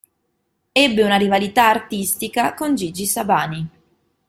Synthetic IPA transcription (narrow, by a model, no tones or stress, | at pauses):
ɛbːeunaɾivalit̪aːrt̪ist̪ikakond͡ʒid͡ʒisabaːni